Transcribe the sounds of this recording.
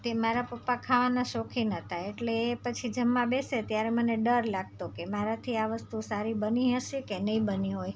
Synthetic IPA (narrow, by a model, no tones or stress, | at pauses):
t̪emaɾapəpːakʰaʋanaʃokʰinət̪ʰaeʈleːpət͡ʃʰid͡ʒəmːãbeset̪jaɾeməneɖəɾlaɡ̚t̪okemaɾat̪ʰiaʋəst̪usaɾibəniɦəʃekenəĩbəniɦoj